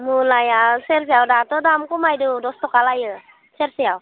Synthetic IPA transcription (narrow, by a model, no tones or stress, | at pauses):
mulajaseɾs̬ijawdatɔdamkɔmajdudɔstɔkalajɯ | seɾsijaw